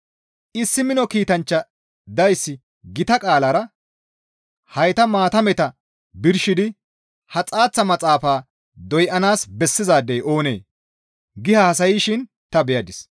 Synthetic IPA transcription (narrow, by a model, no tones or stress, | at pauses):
ʔɪsːɪmɪnɔkiːt̪ɐnt͡ʃːɐ | d̪ɐjsːɪ | ɡɪt̪ɐkʼaːlɐɾɐ | hɐjt̪ɐmaːt̪ɐmɛt̪ɐ | bɪɾʃɪd̪ɪ | hɐt͡sʼaːt͡sːɐmɐt͡sʼaːfaː | d̪ɔjʔɐnaːsbɛsːɪzaːd̪ːejʔo̞ːneː | ɡɪhɐhɐs̬ɐjiːʃɪn | t̪ɐbɛjɐd̪ɪs